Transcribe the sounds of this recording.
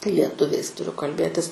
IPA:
lʲiɛˈtʊʋʲɛɪs tʊˈrʲʊ kɐlʲˈbʲeːtʲɪs

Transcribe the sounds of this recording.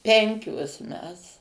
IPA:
ˈpʲɛŋʲkʲoːs ˈmʲɛs

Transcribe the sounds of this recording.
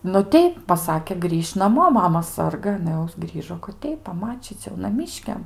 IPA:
nʊ ˈtʲɛɪp pɐˈsɑːkʲeː ˈɡrʲiːʃʲ nɐˈmoː ˈmɑːmɐ ˈsɐrɡɐ ɐˈnɐ jɛʊ ˈɡrʲiːʒoː kɐt ˈtʲɛɪp pɐˈmɑːt͡ʃʲiːt͡sʲ jɛʊ nɐˈmʲiːʃʲkʲɛm

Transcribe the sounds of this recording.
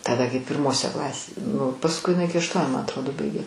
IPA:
tɐˈdɐ kɐɪ pʲɪrˈmoːsʲɛ ˈklˠɑːsʲeːsʲɛ nʊ pɐsˈkʊɪ ɪˈnɐɪ ˈɪkʲɪ ɐʃˈtuɔnʲʊ mɐ ɐtˈroːdoː ˈbɐɪɡʲeː

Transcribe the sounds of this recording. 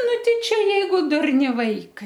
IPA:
ˈnʊ ˈtʲɛɪ ˈt͡ʃʲɛ ˈjɛɪɡʊ ˈdʊrʲnʲɪ ˈʋɐɪkɐɪ

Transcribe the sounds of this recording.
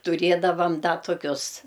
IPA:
tʊˈrʲeːdɐʋɐm ˈdɐ toːˈkʲʊs

